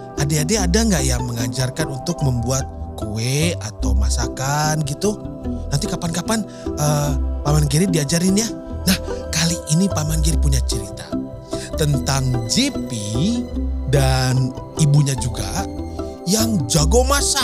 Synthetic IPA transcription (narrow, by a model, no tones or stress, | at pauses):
ʔadeadeadaŋɡaʔjaŋməŋad͡ʒarkanunt̪ʊk̚məmbuat̪̚kueat̪awmasakanɡit̪unant̪ikapankapan | ʔəpamanɡiɾidiad͡ʒaɾɪnjanahkaliʔinipamanɡiɾipuɲat͡ʃəɾit̪a̰ | t̪ənt̪aŋd͡ʒipi | danibuɲad͡ʒuɡa̰ | jaŋd͡ʒaɡomasa